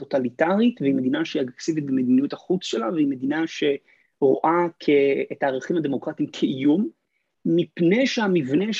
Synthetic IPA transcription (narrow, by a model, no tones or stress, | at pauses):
otalitaʁitveime̞d̪inaʃeiaɡeksivit̚bemed̪inijuthaχut͡sʃe̞laveime̞d̪inaʃe̞ | ʁo̰ʔakʰeːtaːʁeχimhad̪e̞mo̞kʁatimkʰejumː | ipne̞jʃeamivne̞ʃ